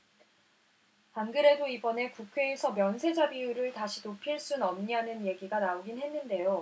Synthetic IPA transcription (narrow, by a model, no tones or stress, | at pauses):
panɡɯɾe̞doibʌne̞kukʰwe̞ːsʰʌmjʌnsʰe̞d͡ʑabiuɾɯɭtaɕʰinopʰiɭs͈unʌmɲanɯnje̞ɡiɡanaoɡinɦe̞nːɯnde̞jo